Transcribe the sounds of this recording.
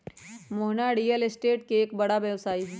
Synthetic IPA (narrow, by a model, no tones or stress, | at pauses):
moɦnaɽijəlɪsʈeːʈ̚keeːkbɐɽabjʋsaːiɦɛ